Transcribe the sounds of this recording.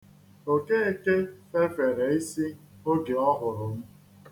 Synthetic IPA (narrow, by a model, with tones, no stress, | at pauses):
o˨ke˦e˦ke˦fe˦fe˨ɾe˨i˦si˦ | o˦ɡɪ˨ɔ˦ɦʊ˨ɾʊ˨m̩˦